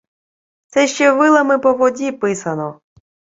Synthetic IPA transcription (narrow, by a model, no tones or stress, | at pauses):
t̪sɛʃt͡ʃɛʋɪlˠɐmɪpɔʋɔdʲipɪsɐnɔ